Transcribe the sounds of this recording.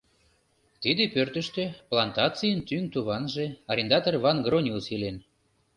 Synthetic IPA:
t̪id̪epørt̪ə̆ʃt̪eplɑnt̪ɑt͡sijənt̪yŋt̪uβɑnʒeɑɾʲend̪ɑt̪orβɑnɡronʲiusilen

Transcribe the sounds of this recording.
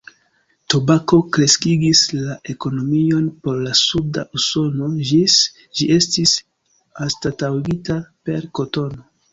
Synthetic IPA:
to̞bako̞kɾe̞skiɡislaʔe̞ko̞no̞mio̞npo̞ɾlasuda̰ʔuso̞no̞ʒis | ʒiʔe̞stis | astatawɡitape̞ɾko̞to̞no̞

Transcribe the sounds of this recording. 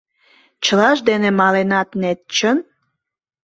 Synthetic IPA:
t͡ɕəlɑʃd̪enemɑlenɑt̪net̪̚t͡ɕən

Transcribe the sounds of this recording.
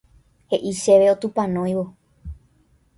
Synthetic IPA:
he̞ʔiʃeʋeot̪upãnõjʋo

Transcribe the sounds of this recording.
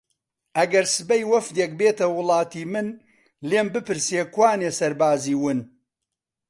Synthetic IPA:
ʔɐɡɐɾsɨbɐjwɐfd̪ek̚beːt̪ɐwʊlˠɑːt̪iːmɨn | leːmbɨpɨɾseːkwaːneːsɐɾbaːziːwɨn

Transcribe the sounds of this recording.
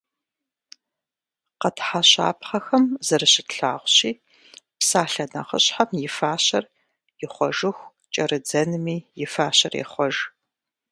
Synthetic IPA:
qɐtħaɕa̰ːpχɐxɐmzɐrɨɕɪtɬaːʁʷɕiː | psaːɬɐnɐ̰χə̰ɕħamjɪfaːɕɐr | jɪχʷɔʒɨxʷ | t͡ʃʼɐrɨd͡zɐnɨmiːjɪfaːɕɐrḛχʷɔʒ

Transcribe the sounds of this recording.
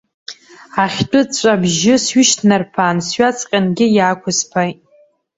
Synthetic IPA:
aχʲt͡pʷʼʊt͡ɕʷʼabʒɪsɥʏʃtʰnarpʰansɥat͡sʰʼqʲʼanɡʲɪjaːkʷʊspʰajtʼ

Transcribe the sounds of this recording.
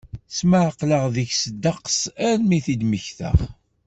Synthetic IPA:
sməʕəqləʁðəçsəd̪ːɑqsæɾmiθid̪məçθə̰ʁ

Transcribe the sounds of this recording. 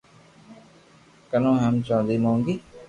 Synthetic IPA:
kənõːɦɛmt͡ʃãːnd̪iːmõːŋɡiː

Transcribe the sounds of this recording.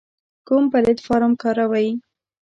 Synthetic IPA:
kumpalet̪fɑɾamkɑɾawaji

